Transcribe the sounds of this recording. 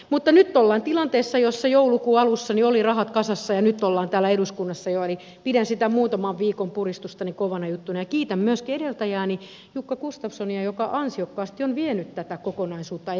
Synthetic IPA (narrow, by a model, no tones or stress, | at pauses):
mut̪ːɑnyt̪ːolːɑːnt̪ilɑnt̪eːsːɑjosːɑjoulukuːɑlusːɑniolirɑhɑt̪kɑsɑsːɑjɑnyt̪ːˑolːɑːnt̪æːlːæeɾuskunːɑsːɑjoeli | pidænsit̪æmuːt̪ɑmɑʋʋiːkompurist̪ust̪ɑnikoʋɑnɑjut̪ːunɑjɑkiːt̪æmmyøskieɾelt̪æjæːni | jukːɑkust̪ɑpsoniɑjokɑʔɑnsiokːɑːst̪ionʋienyt̪t̪æt̪ækokonɑisuːt̪ːɑ